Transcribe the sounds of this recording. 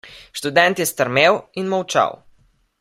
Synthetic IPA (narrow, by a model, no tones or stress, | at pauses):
ʃt̪ud̪ɛnt̪jɛst̪əɾmeːwinmɐwt͡ʃa̰w